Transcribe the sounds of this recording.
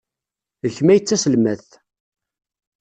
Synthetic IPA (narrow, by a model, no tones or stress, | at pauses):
əçmæjət͡sːæsəlmæθ